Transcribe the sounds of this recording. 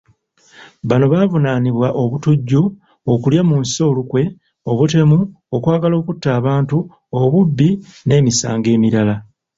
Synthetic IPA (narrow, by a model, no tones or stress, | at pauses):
βano̞βaːvunaːniβwaʔo̞βutuɟːu | okuljamuːnso̞ːlukwe̞ | o̞βute̞mu | okwaːɡalo̞ːkutːaːβaːntu | oβubːine̞ːmisa̰ːŋɡe̞ːmiɾala